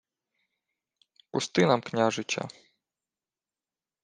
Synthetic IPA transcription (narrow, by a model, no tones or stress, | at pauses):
pust̪ɪnɐmknʲaʒɪt͡ʃɐ̰